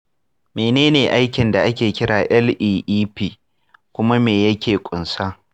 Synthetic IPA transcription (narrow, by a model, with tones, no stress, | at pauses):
meː˨neː˦neː˨ʔa˦jkʲɪ˨nda˨ʔa˦kʲeː˨kʲɪ˦ɽaː˨ʔɛ˦lʔiː˦ʔiː˦piː˦˨ | kʷʊ˦ma˦meː˨jɐ˦kʲeː˨kʷʼʊ˨nsaː˦